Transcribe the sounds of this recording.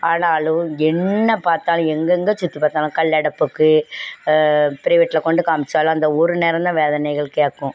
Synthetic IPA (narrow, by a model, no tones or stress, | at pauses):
aːnaːlʊ̃ɛnːɐpaːɾt̪aːlʊ̃ɛŋɡɐŋɡɐt͡ʃʊt̪ːipaːɾt̪aːlãkɐɭːɛɽɐpːɯkːɯ | pɪɾɐʋɪʈːlɐkɔɳɖɯkaːmɪt͡ʃːaːlɐ̃ɐnd̪ɐɔɾɯnɛɾɐnd̪ɐʋeːðɐnɐɪɣɐɭkːeːkːʊ̃